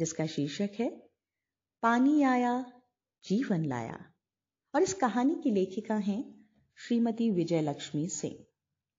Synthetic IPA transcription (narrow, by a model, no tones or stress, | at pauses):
d͡ʒɪskaʃiːʃəkɦɛː | paːniaːja | d͡ʒiːʋənla̰ːja̰ː | ɔːɾɪskɐɦaːnikileːkʰɪkãɦɛ̃ | ʃɾiːmət̪iʋɪd͡ʒəjlɐkʃmisɪ̰̃ŋɡ